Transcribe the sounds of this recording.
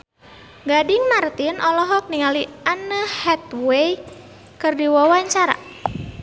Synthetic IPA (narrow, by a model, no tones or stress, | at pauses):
ɡadɪŋmart̪inʔɔlɔɦɔk̚niŋalianəhɛt̪wej | kɨrdiwawaɲt͡ʃaɾa̰